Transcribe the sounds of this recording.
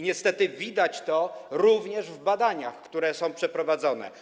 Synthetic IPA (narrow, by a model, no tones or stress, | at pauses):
ɲɛst̪ɛt̪ɘvʲid̪at͡ɕt̪ɔɾuvɲɛʐvbad̪aɲaxkt̪uɾɛsɔ̃w̃pʂɛpɾɔvad̪zɔnɛ̰